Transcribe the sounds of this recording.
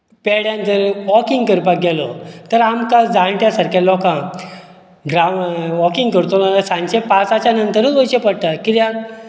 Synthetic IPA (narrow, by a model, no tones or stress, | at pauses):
pɛɽjãnt̪əɾʋɔkiŋɡkəɾpak̚ɡɛlɔt̪əɾamkad͡zãɳʈjasaɾkjalɔkã | ɡɾaʋɔkĩŋɡkəɾt̪onalasãɲt͡ɕẽpat͡sat͡ɕanənt̪əɾũʋojɕepəɽt̪akit̪ja